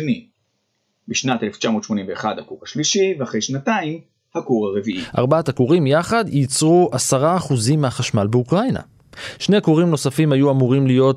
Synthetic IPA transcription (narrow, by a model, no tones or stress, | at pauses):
ni | biʃnat̪eleft͡ʃamo̞ːt̪ʃmonimveeχadhakuʁhaʃliʃiveaχʁejʃnataim | hakuʁhaʁeviʔiʔa̰ʁbatakuʁimjaχad̪jit͡sʁuʔasaʁaːχuzimːehaχaʃmalbeukʁajna̰ | ʃnekuʁimno̞safimajuamuʁimlijo̞t